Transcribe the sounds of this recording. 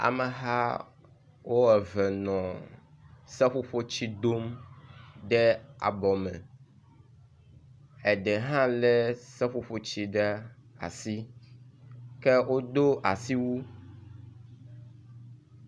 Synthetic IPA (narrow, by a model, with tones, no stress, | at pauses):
a̰˨mɛ˨ɦa˦ | wo˦ɛ˨vɛ˨nɔ̃˨ | sɛ˦ɸo˦ɸo˦t͡ɕi˦d̪o˦m | ɖɛ˦a̰˨bɔ˨mɛ̰̃˨ | ɛ˨ɖɛ˨ɦã˦lɛ˦sɛ˦ɸo˦ɸo˦t͡ɕi˦ɖɛ˦a̰˨si˦ | kɛ˦wo˦d̪o˦ʔa˨si˦wu˦